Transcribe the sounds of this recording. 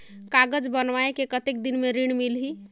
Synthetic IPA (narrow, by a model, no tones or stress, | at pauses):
kaɡəd͡ʒbənʋaekekət̪ek̚d̪inmeɾiɽ̃milɦi